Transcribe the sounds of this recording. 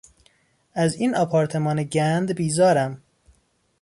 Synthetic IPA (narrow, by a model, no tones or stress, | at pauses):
æziːnɒpʰɒːɾt̪ʰe̞mɒːneɟænd̪biːzɒːɾæm